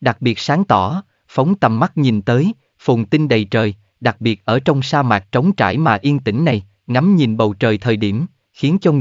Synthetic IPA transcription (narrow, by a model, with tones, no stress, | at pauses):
ɗa˨˩k̚ɓi˨˩ət̚saː˨˦ŋt̪ɔ˧˩ | fə˨˦wŋ͡mt̪ə˨˩mːa˦˥t̚ɲi˨˩nt̪əː˨˦j | fu˨˩ŋ͡mt̪i˧nɗə˨˩jt͡ɕəː˨˩j | ɗa˨˩k̚ɓi˨˩ət̚ʔəː˧˩t͡ɕɔ˧wŋ͡msaː˧maː˨˩t̚t͡ɕə˨˦wŋ͡mt͡ɕa̰ː˧˩jmaː˨˩ʔi˧ənt̪ï˧˩ŋ̟na˨˩j | ŋa˨˦mɲi˨˩nɓə˨˩wt͡ɕəː˨˩jt̪ʰəː˨˩jɗi˧˩əm | xi˨˦ənt͡ɕɔ˧